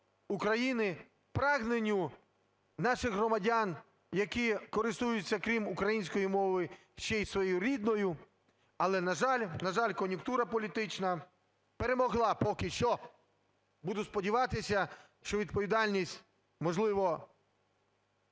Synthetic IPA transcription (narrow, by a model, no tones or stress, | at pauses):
ukɾɐjinɪ | pɾɑɣnenʲːʊ | nɑʃɪɣɦrɔmɐdʲan | jɐkikɔɾɪst̪ujʊt͡sʲːɐkɾʲimukɾɐjinʲsʲkɔjimɔʋɪ | ʃt͡ʃɛjsʋɔjjuɾʲid̪nɔjʊ | ɐlˠɛnɐʒɑlʲnɐʒɑlʲkɔnʲjʊkt̪uɾɐpɔlʲit̪ɪt͡ʃnɐ | peɾemɔɦlˠɑpɔkɪʃt͡ʃɔ | bud̪ʊspɔdʲiʋɑt̪ɪsʲɐ | ʃt͡ʃɔʋʲid̪̚pɔʋʲid̪ɑlʲnʲisʲtʲ | mɔʒlˠɪʋɔ